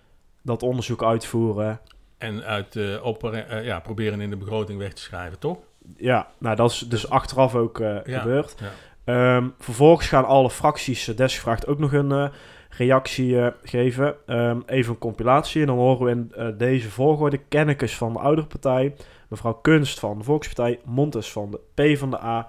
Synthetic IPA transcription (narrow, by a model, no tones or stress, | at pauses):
dɑtɔndəɹzukœɥtfuːrə | ɛnɥtɔpja̰ːprowbɪːɾənɪndəbəɣrowtɪŋʋɛxtə̥sxrɛ̰jvətɔx | janawdɑtɪsdəsɑxtərɑfowkxəbøːrt | əv̥əɹvɔlˠɣəsxaːnɑləfrɑksisdɛsxəvraːxtowknɔxən | rejɑksiɣejvəəmejvənənkɔmpilaːtsiɛndɑnɦoːryʋəɪndejzəvʊːɹɣɔːɹdəkɛnəkəsfɑndə̰ʔʌwdərəpɑɹtɛj | məvrɑwkønstfɑndəvɔlˠkspɑɹtɛjmɔntəsfɑndəpejvɑndəʔaː